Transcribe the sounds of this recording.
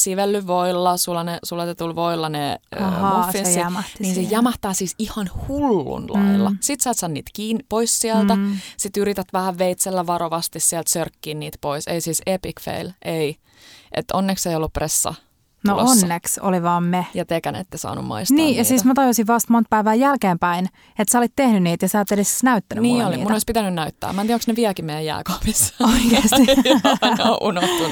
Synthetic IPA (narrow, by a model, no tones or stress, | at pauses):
siʋelːyʋʋoilːɑsulːɑnesulːɑt̪et̪ulʋoilːɑneofːinsːimniːnsejæmɑht̪æːsiːsihɑnhulːṵnlɑilːɑ̰sit̪sæːt̪sɑːnniːt̪kiːnpoissiælt̪æsit̪yɾit̪æt̪ʋæhæʋʋeit̪selːæʋɑɾoʋɑst̪issiælt̪sørkːiːnniːt̪poisḛisisepikfḛilʔei | ʔḛt̪onːekseijolːuppresːɑ̰ | noʔonːekso̰liʋɑːmmejɑt̪ekænḛt̪ːesɑ̰ːnṵmmo̰istniːjɑsiːsmæt̪ɑjusiʋʋɑst̪mont̪̚pæiʋæːjælkeːmpæin | et̪sæolit̪t̪ːehnyniːt̪jɑsɑːt̪ːedessnæyt̪ːænyniːoliːtmunoispit̪ænynæyt̪ːæ̰ːmæniæoksneʋiækimejæjæ̰ːkɑːpisːoikeːsi | eo̰ʔunoht̪ːun